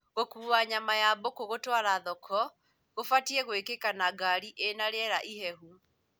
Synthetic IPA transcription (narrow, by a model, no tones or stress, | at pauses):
ɣokuːwaɲamajabokoɣotwaɾaðɔkʰɔ | ɣofatiɛɣoekekanaɡaɾiʔenaɾɛɾaʔiɦɛɦu